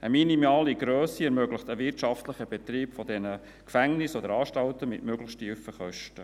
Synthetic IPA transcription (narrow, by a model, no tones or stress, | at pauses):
əminimɑːliɡɾøːsiɛɾmøɡləχtəʋɪrtʃɑftləχəbɛt̪ɾiːpfɔdɛnə | kfæŋnɪsɔd̪əɾɑːʃtɑltəmɪ̰tmøɡləχʃtifəχœʃtə